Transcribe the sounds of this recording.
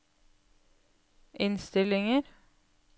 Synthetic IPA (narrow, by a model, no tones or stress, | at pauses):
ʔɪnst̪ɪlɪŋəɾ